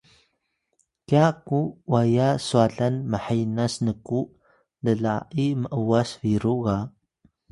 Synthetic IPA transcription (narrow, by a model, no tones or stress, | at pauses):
kakuwajaswaɮanməħajnasnəku | ləɮa̰ʔiməʔəwasviɾuɣa